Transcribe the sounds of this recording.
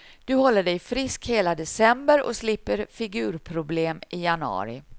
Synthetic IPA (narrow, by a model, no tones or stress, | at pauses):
d̪̥ɵhɔlːəɖɛjfɾɪskheːlad̪ɛsɛmbəɾɔ̰slɪpːəɾfɪɡʉ̟ːɾpʰɾʊbleːmɪjanəɑ̰ːɾɪ̰